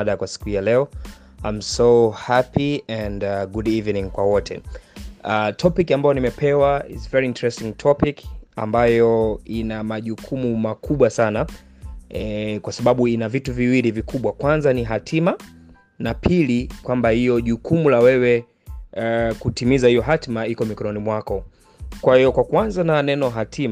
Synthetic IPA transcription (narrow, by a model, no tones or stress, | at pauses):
ɗakwasi̥kuhijalɛɔ | ajmsohapiɛ̃ndaɡudivnĩŋkwawɔtʰɛ̰ | atʰɔpikambajɔnimɛpʰɛwaḭzvɛɹiintɹɛstiŋtʰɔpika̰mbajɔinamaʄukʰumumakʰuɓwasana | ɛkwasaɓaɓuinavituviwilivikuɓwakwanzaniɦatʰima | napʰilikwambahijɔʄukumulawɛwɛ | kutimizahijɔɦatmaikɔmikɔnɔnimwakɔ | kwahijɔkwakwanzananɛnɔɦatʰima